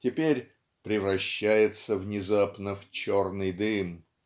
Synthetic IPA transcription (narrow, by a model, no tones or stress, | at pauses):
tʲɪpʲeɾʲ | pɾʲɪvɾɐɕːæjɪt̪səvnʲɪzapnəft͡ɕornɨjd̪ɨm